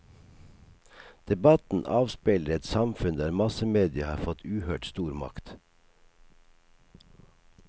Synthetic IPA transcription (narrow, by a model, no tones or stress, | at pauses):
d̪̥ɛbɑt̪n̩ʔɑːʋspeːləɾɛt̪sɑmfʉnd̪æːɾmɑsəmeːd̪ɪəhɑ̰ːɾfɔt̪ʰʉːhøːʈst̪uːɾmɑ̰kt̪